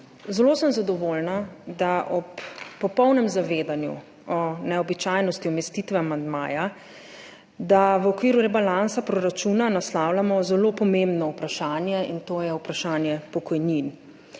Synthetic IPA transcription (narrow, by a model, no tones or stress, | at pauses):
zɛloːsəmzad̪ɔʋoːlnad̪aʔɔpːɔpɔwnɛmzaʋeːd̪anjṵ | ɔnɛɔbit͡ʃajnɔst̪iɔmɛst̪it̪ʋɛamand̪ma̰ːja | d̪aʋəɔkʋiːɾuɾɛbalansapɾɔɾat͡ʃuːnanaslaːwlamɔzɛlopɔmẽmbnɔupɾaʃaːnjɛint̪oːjɛupɾaʃaːnjɛpɔkɔjnin